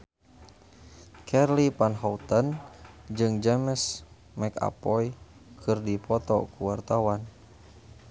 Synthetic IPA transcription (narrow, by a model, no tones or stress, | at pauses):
kʰɛrlipanɦɔut̪ənd͡ʒɨŋd͡ʒɛməs | mɛka̰pɔi | kʰɨrdipɔt̪ɔ̰kuwart̪awan